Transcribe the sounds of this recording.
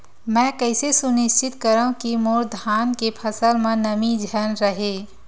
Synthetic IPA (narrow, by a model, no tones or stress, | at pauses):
mɛ̃ːkəɪsesʊnɪʃt͡ʃɪt̪kəɾaũkimoːɾd̪ʱaːnkepʰəsəlmẽnəmid͡ʒʱənɾəɦeː